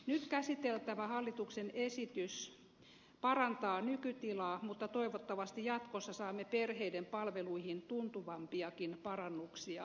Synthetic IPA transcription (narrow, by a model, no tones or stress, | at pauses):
nyt̪kæsit̪elt̪æʋæhɑlːit̪uksenesit̪ys | pɑrɑnt̪ɑːnykyt̪ilɑːmut̪ːɑt̪oiʋot̪ːɑʋɑst̪ijɑt̪kosːɑsɑːmːeperheidempɑlʋeluihint̪unt̪uʋɑmpiɑkinpɑrɑnːuksiɑ